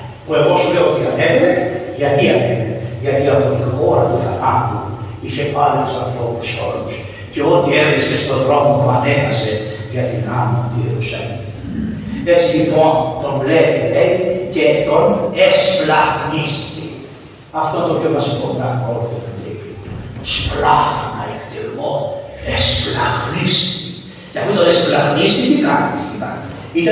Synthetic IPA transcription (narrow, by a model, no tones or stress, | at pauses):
pue̞ɣo̞sule̞oot̪iɐnevemeʝɐt̪iɐneveʝɐt̪iɐpo̞t̪ixo̞ɾɐpuθɐpapuniθepɐlot̪usɐnθɾo̞pu̥so̞lus | ce̞o̞t̪ieɾðisest̪o̞ðɾo̞mopuɐne̞nɐse̞ | ʝɐt̪inanot̪ieɾusɐ̰li | i | et͡silip̪ont̪o̞ɱvleeleiceːt̪onesplɐɣnist̪i | ɐft̪ot̪opçovɐsikonɐko̞lot̪okt̪iliosplɐxnɐ̰ekt̪ilmo | esplɐɣnist̪i | ceɐfut̪onesplɐɣnist̪it̪ikɐnɐiimɐ̰ | it̪ɐ